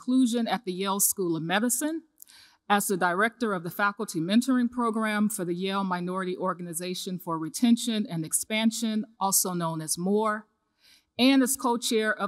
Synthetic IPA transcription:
kʰl̥uʒɨ̃nɨt̪̚ðɨjelˠskulˠʌvmɛɾɨsɨ̃n | ɨzðɨdəɹɛk̚tə˞ʌvðɨfækl̩ˠtʰimɛ̃ntə˞ɪ̃ŋpʰɹ̥oʊɡɹæ̃ɱfə˞ðɨjeɪlˠmaɪnɔɹɨɾiʔɔɹɡɨnɨzeɪʃɨ̃nfə˞ɹitʰɛ̃nʃɨ̃nɨ̃nɨkspæ̃nʃɨ̃nɔlˠsoʊnõʊ̃nɨzmɔɹ | ɨ̃nɨz̥kʰoʊt͡ʃʰɛɹʔʌ

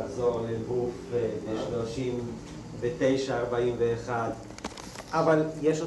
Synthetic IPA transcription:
χzoʁleɡufleʃloʃim | vet̪e̞jʃaːʁbaimveːχad̪ | ʔavaljeʃo

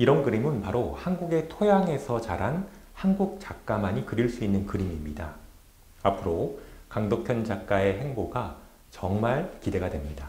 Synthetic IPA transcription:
iɾʌnkɯɾimɯnpaɾohanɡuɡe̞tʰojaŋe̞sʰʌt͡ɕaɾan | hanɡuk̚t͡ɕak͈̚amaɲikɯɾiɭs͈uinːɯnkɯɾimimɲida̰ | apʰɯɾokaŋdopʰjʌnd͡ʑak͈ae̞ɦe̞ŋboɡa | t͡ɕʌŋmaɭkide̞ɡadwe̞mɲida

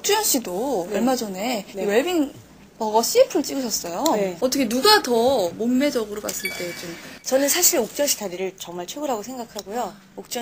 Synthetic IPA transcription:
ok̚t͡ɕ͈ujʌnɕ͈ʰidoʌɭmad͡ʑone̞weɭbiŋ | pʌɡʌɕ͈ʰiipʰɯɯɭt͡ɕ͈iɡɯɕʰʌs͈ʌjoʌt͈ʌkʰenuɡatʌmomːe̞d͡ʑʌɡɯɾopas͈ɯɭt͈e̞t͡ɕomt͡ɕʌnɯnsʰaɕʰiɾok̚t͡ɕ͈ʌnɕ͈ʰi̥taɾiɾɯɭt͡ɕʌŋmaɭt͡ɕʰweɡɯɾɦaɡosʰe̞ŋɡakʰaɡojo | ok̚t͡ɕ͈

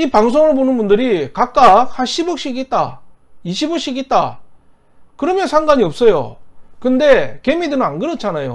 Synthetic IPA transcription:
ipaŋs̬ʰoŋɯɭbonɯnbundɯɾikak̚k͈ak̚haɕʰibok̚ɕ͈iɡit̚t͈a̰ | iɕʰiboɕ͈iɡit̚t͈a | kɯɾʌmjʌnsʰaŋɡaɲiʌp̚s͈ʌjo̰kɯnde̞ke̞midɯnɯnanɡɯɾʌt͡ɕʰanajo̰

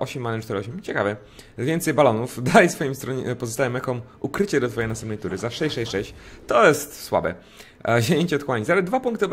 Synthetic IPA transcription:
ʔɔɕɛmːanɛt͡ʂt̪ɛɾɛɔɕɛmt͡ɕɛkavɛ | vʲjɛnt̪sɛjbalɔnufd̪ajsfɔjimst̪ɾɔɲpɔzɔst̪ajɛmɛkɔm | ukɾɘt͡ɕɛd̪ɔt̪fɔjɛjnast̪ɛmpnɛjt̪uɾɘzafʂɛʂɛɕʂɛɕt͡ɕt̪ɔjɛst̪swa̰bɛ̰ | ɕeɲeɲt͡ɕɛɔt̪xwaɲizaɾad̪̚d̪vapuŋkt̪ɨɔb

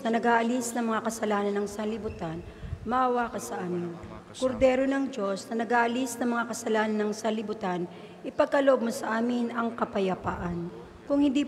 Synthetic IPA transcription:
nɐnɐɡaːʔɐlisnɐŋmɐŋakɐsɐlaːnɐnɐŋsɐnlɪbʊt̪an | mɐʔɐwaːkɐsɐʔaːmɪn | koɾd̪ɛːɾonɐŋd͡ʒo̞snɐnɐɡaːʔɐlisnɐŋmɐŋakɐsɐlaːnɐnɐŋsɐlɪbʊt̪an | ʔɪpɐɡ̚kɐloʔob̚mosɐʔaːmɪnʔɐŋkɐpɐjɐpaʔɐn | kʊŋhɪnd̪iː

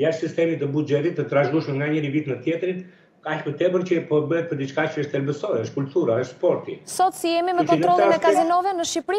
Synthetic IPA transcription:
jaʃt̪sist̪ɛmit̪əbud͡ʒɛt̪it̪ːət̪ɾaʒɡuʃmɛŋɡaɲəɾivit̪nət̪jɛt̪ɾin | kaçmɛt̪ɛbəɾt͡ɕəɛpɔɛbəɛt̪̚pəɾd̪it͡ʃkat͡ʃəəʃt̪ɛlbəsɔɾɛəʃt̪kult̪uɾaəʃt̪spɔɾt̪ḭsɔt̪siɛmiməkɔnt̪ɾɔlˠinɛkazinɔvɛnəʃipɾi

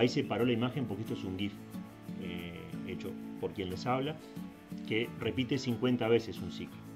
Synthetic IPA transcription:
ise̞paɾo̞laimaxe̞mpokeest̪oes̬uŋɡif | eet͡ʃo̞po̞ɾkje̞nle̞saβla | kere̞pit̪e̞siŋkwe̞nt̪aβe̞sesunsiklo

